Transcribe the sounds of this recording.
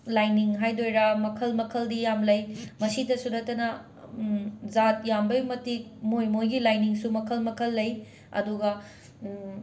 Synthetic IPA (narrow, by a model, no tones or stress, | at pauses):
lajniŋɦajdojɾɐmɐkʰɐlmɐkʰɐldijamlɐjmɐsidɐsunɐtːɐnɐ | zat̚jambɐjmɐtik̚mojmojɡilajniŋsumɐkʰɐlmɐkʰɐlːɐj | ɐ̰duɡɐ